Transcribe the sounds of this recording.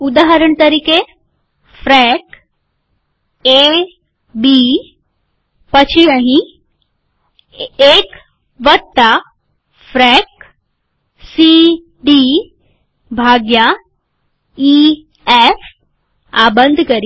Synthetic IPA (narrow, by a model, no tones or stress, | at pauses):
ud̪aːɦəɾəɳ̃t̪ɐɾiːke | fɾɛk | e | bi | pət͡ɕʰijãɦĩ | ek | ʋət̪ːa | fɾɛk̚ | si | ɖi | bʱaːɡja | i | efʰ | abə̃nd̪ʱkɐɾi